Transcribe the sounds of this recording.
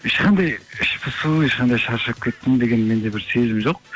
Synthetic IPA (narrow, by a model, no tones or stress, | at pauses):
eʃqʰɑnd̪ɑjɪʃpʰɪsueʃqɑnd̪ɑjʃɑɾʃɑp̚kʲʰet̪ːɪmd̪e̞ɡʲe̞nme̞nd̪e̞bɪɾse̞zɪmʒoq